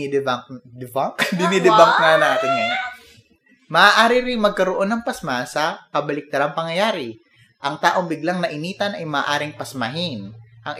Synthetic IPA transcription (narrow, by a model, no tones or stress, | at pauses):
d̪ak̚d̪ɪbaŋkd̪ɪnid̪ɪbaŋk̚nanaːt̪ɪnja | mɐaːʔaːɾɪɾɪŋmɐɡ̚kɐɾoʔonːɐŋpɐsmasɐkɐbɐlɪk̚t̪ɐɾaŋpɐŋjɐjaːɾɪ | ʔɐŋt̪aːʔoŋbɪɡlaŋnɐʔɪniːt̪ɐnʔɐjmaːʔaːɾɪŋpɐsmaɦɪnʔɐŋ